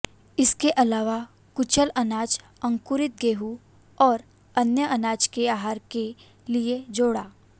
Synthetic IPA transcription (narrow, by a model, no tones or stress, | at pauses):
ɪskeʔɐlaːʋa | kʊt͡ʃəlɐnaːt͡ʃ | ɐ̃ŋkʊɾɪt̪̚ɡeːɦu | ɔːɾ | ɐnjəʔɐnaːt͡ʃkeaːɦaːɾke | lied͡ʒoːɽaː